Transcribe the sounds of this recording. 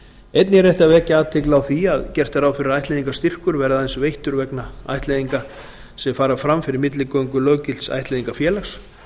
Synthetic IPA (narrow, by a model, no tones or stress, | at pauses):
ejt̪nɪrejht̪avɛːcaaːt̪ʰɪklawθiaðcɛr̥t̪aɾaːwfɪɾɪɾajht̪leðiŋkast̪ir̥kʏɾvɛɾðaɛnsvejht̪ʏɾvɛknaa̰jht̪leðiŋka | sɛfaːɾafɾamfɪɾɪɾmɪt̪lɪkoːwŋkʏlœːɥcɪlt̪sa̰jht̪leːðiŋkafjɛːlaxs